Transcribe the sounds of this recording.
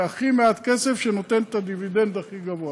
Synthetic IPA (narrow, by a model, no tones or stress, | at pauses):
aχimeat̪ke̞se̞fʃeno̞t̪e̞nt̪ad̪ivid̪e̞nd̪aχiɡavoa